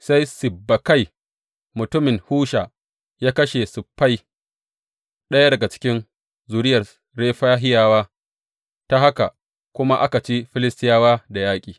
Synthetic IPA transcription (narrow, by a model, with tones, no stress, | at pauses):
sa˦jsɪ˨bːa˨ka˦j | mʊ˨tʊ˦mɪ˨ŋhuː˦ʃaː˨ | jaː˦kɐ˦ʃe˨sʊ˨pːa˦j | ɗɐ˦ja˦dɐ˨ɡa˨t͡ʃɪ̥˦kʲɪ˦n | zuː˨ɾɪ˦jɐ˨r | ɽeː˦ɸaː˦ɦɪ˦jaː˦waː˦ | ta˦ɦa˦ka˨ | kʷʊ˦ma˦ʔa˦ka˨t͡ʃi˦ɸɪ˦lɪ˦stɪ˦jaː˦waː˦da˨jaː˦kʲʼiː˨